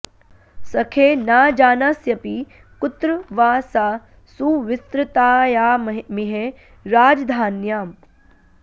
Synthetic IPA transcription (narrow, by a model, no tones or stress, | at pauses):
sɐkʰeːnaːd͡ʒaːnasjɐpi | kʊt̪ɾʋaːsaː | suːʋɪst̪ɾɪt̪aːjaːmiɦe | ɾaːd͡ʒd̪ʱaːnjaːm